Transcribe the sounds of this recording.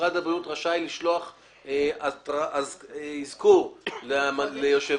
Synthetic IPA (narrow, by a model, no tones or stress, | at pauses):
ʁadabʁijutʁaʃajliʃloaχ | eataʔazeizkulmalejoʃe